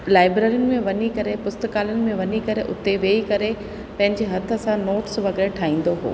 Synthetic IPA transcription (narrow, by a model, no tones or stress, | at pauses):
laːɪbɾaːɾijʊnɪ̆mẽʋɐɲikɐɾepʊst̪əkaːlənɪ̆mẽʋɐɲikɐɾeʔʊt̪eʋeːikɐɾe | pɐ̃ɦɪ̃ɲd͡ʑeɦɐt̪ʰə̆sãnoːʈsʋɐɡɪɾeʈʰaːĩːn̆d̪oɦo̰ː